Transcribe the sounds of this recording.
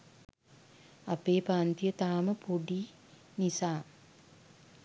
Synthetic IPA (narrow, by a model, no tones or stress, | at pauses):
apeːpaːnt̪ijət̪aːməpoɖiː | nisaː